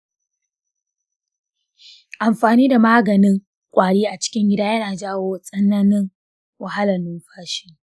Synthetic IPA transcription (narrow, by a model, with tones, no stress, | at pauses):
ʔa˨mɸaː˨niː˦da˨maː˦ɡɐ˨nɪ˦ŋ | kʷʼaː˨ɽiː˦ʔa˨t͡ʃɪ̥˦kʲɪ˦ŋɡʲɪ˦daː˦jɐ˦naː˨d͡ʒaː˦woː˦sʼɐ˦naː˦nɪ˦ŋ | wɐ˨ha˦lɐ˨nʊ˦mɸaː˦ʃɪ˦˨ŋ